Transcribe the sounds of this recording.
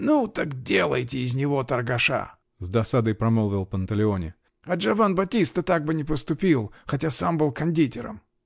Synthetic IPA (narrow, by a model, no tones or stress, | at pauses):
nut̪akdʲe̞lˠəjtʲɪːzʲnʲɪvo̞t̪ərɡɐʂa̰ | zd̪ɐsad̪əjpɾɐmɨlˠvʲɪlˠpənt̪əlʲɪonʲɪ̰ | ɐʐɐvanbɐtʲist̪ət̪aɡ̚bɨnʲɪpəst̪ʊpʲilˠxɐtʲasambɨlˠkɐnʲdʲitʲɪɾə̰m